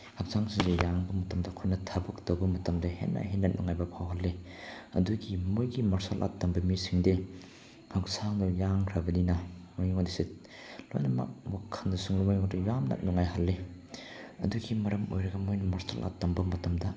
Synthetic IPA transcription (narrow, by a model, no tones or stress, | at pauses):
hak̚zaŋsiŋzejaŋbɐmɐtɐmdɐkʰojnɐtʰɐbɯktɐwbɐmɐtɐmdehḛnːɐ̰ɦenːɐt̚nuŋajbɐpʰawɦɐlːeɐduɡimojɡimɐɾsalʔa̰t̚dɐmbɐmisiŋde | haksaŋdujaŋkʰɾɐbɐninɐmojŋodiset | lo̰jnɐmɐ̰k̚wakʰːɐndɐsuŋlumojŋɔdujamna̰t̚nuŋːajɦalːe | ɐ̰duɡimɐɾɐmo̰jɾɐɡɐmojnɐmɐɾsa̰lʔa̰t̚dɐmbɐmɐtɐmdɐ